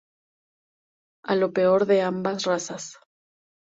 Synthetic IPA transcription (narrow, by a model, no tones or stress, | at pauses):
alo̞pe̞o̞ɾðe̞ambasrasas